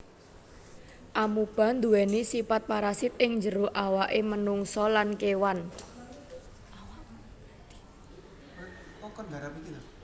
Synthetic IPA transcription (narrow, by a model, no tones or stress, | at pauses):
ʔamub̥a̤nd̪uwɛnisipat̪̚paɾasɪt̪̚ɪŋɲd͡ʒəɾʊʔawaʔemənuŋsɔlankewan | ɡaɾapii